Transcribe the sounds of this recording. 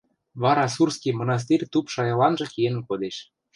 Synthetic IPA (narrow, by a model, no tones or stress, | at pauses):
βɑɾɑsurskijmonɑs̬t̪irʲt̪upʃɑjɑlɑnʒɤ̆kenənkod̪eʃ